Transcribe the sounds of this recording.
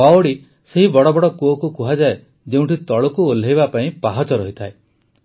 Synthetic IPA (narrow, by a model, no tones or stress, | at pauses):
aoɽi | seɦibɔɽɔbɔɽɔkuɔkukuɦad͡ʒae | d͡ʒeũʈʰit̪ɔɭɔkuolːeɦjbapaĩpaɦat͡ʃɔɾɔɦit̪ʰae